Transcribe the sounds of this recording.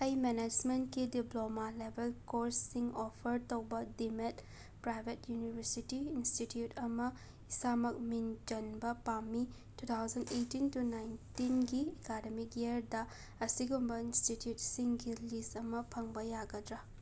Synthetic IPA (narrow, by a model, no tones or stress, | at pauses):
ɐjmened͡ʒmentkidiplomalebʱelkoɾsːiŋɔpʰɐɾtowbɐdimet | pɾajbʱetjunibʱɐɾsitiːnstitjutʰɐmɐ | isamɐk̚mind͡ʒɐnbɐpamːi | tut̪ʰawzɐndejtintunajntinɡiekademikeɐɾdɐ | ɐsiɡumbɐinstitjut̚siŋɡilistɐmɐpʰɐŋbɐjaɡɐdɾɐ